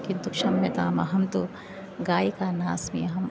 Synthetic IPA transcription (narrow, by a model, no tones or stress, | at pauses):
kid̪ʊkʃɐmːet̪aːmɐ̰ɦɐmt̪u | ɡaːikaːnaːsmḭɐɦɐm